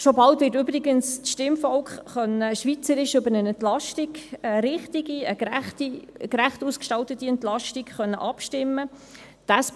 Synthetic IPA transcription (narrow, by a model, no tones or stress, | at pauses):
ʃobɑltʋɪːtʏbɾɪɡənst͡sʃtɪmfɔlkχχœnːəʃʋit͡səɾɪʃʏbəɾənɛntlɑʃtiɡəɾɪχtiɡiəætikɾæχtuːskʃtɑltətːiɛnt̪lɑʃtikχœnːəʔɑpʃtɪmːə | d̥as